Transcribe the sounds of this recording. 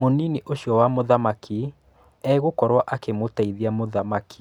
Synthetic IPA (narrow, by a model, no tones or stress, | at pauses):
onineʔoɕjɔwamoðamakʰi | ɛɣokɔɾwaʔakemotaiðiamoðamaki̥